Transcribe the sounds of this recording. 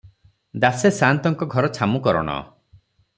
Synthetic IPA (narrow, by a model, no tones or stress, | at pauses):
d̪asesant̪ɔŋkɔɡʱɔɾɔt͡ʃʰamukɔɾɔ̰ɽ̃ɔ̰